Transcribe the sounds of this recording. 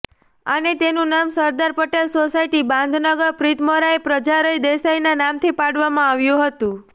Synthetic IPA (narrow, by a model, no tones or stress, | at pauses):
anet̪enũnamsəɾd̪aɾpəʈelsosajʈibãnd̪ʱnəɡəɾpɾit̪moɾaepɾəd͡ʒaɾəjd̪esajnanamt̪ʰipaɽʋamãaʋjũɦət̪ũ